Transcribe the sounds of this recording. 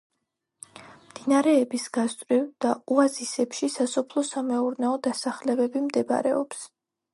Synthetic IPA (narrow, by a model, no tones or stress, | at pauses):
md̪̥inaɾɛːbisɡast̪ʼɾivd̪̥auazisɛpʃisasɔpʰlˠɔsamɛuɾnɛɔd̪asaχlɛbɛbimd̪ɛb̰ɾɛ̰ɔps